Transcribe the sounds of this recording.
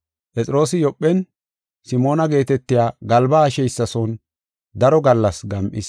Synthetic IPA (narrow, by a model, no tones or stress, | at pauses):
pʼɛt͡sʼɪɾo̞ːsɪjɔpʼːɛn | sɪmo̞ːnɐɡe̞ːt̪ɛt̪ːɪjaːɡɐlbaːʃɛjsːɐsɔn | d̪ɐɾɔɡɐlːɐsɡɐmʔɪ̰s